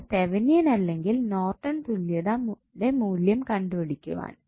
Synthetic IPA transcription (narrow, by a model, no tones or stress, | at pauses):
t̪eʋɐnijɐnɐlːe̞ŋɡilno̞ːrʈːɐnt̪ulijɐðɐm | ɖemuːljɐmkɐɳɖupɐɽikʲːṵʋa̰ːn